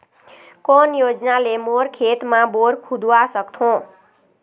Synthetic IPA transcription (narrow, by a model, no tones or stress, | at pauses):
konjod͡ʒnalemoɾkʰet̪mãboɾkʰud̪uasʌkt̪ʰõ